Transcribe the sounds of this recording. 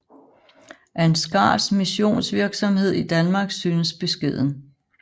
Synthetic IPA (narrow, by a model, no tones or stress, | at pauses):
ʔæɐe̝nsɡ̥ɑ̰̈ːsmiɕo̝̰ːnsʋiɐɡ̥sɒ̽mhe̝ð̰ˠid̥ænmɑ̈ːɡ̥syːnəsb̥e̝sɡ̥e̝ð̞̰ˠn̩